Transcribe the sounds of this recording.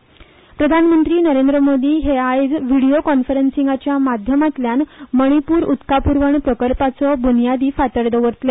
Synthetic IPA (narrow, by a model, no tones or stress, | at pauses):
pɾəd̪ʱanmənt̪ɾiːnəɾend̪ɾəmod̪ʱiːɦeajd͡zʋiɽiokɔnfəɾensiŋɡat͡ɕjamad̪ʱjəmat̪ljanməɽ̃ipuːɾut̪kapuɾʋəɳpɾəkəlpat͡sɔbunijad̪iːfat̪əɾd̪əʋəɾt̪le